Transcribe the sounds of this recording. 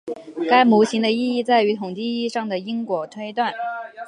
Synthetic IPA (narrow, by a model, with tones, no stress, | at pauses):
ka˥ɪmu˧˥ɕi˧˥ŋd̪ə˧i˥˧i˥˧t͡sa˥˩ɪy˧˥t̪ʰʊ˨˩ŋt͡ɕ̪i˥˧i˥˧ʂɑ˥˩ŋd̪ə˩i˥ŋkwɔ˨˩t̪ʰwe˥ɪt̪wa˥˩n